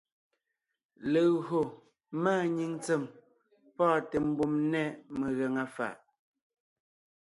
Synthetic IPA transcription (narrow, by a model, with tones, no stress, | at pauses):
le˨ɣo˨ | maː˦˨ɲi˦ŋt͡se˨m | pɔː˦˨tɛ˨m̩˦bu˦˨mnɛ˦me˨ɣɛ˨ŋa˨fa̰˨ʔ